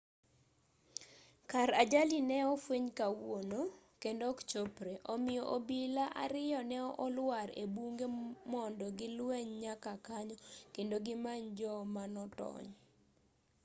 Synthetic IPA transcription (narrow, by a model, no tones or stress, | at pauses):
kaɾad͡ʒalinɛɔfweɲkawono | kendɔkt͡ʃopɾeʔɔmɪjɔʔobilaʔa̰ɾɪjɔnɛɔʔɔlwaɾḛbuŋɡemɔndɔɡɪlwɛɲɲakakaɲɔkendoɡɪmaɲd͡ʒɔmanɔtɔ̰ɲ